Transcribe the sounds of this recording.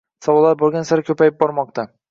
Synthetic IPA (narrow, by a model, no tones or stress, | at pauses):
sɒwɒlˠːaɾboɾˠɡʲansaɾɪkʲʰɵpajɪp̚bɒɾmɒq̚t̪a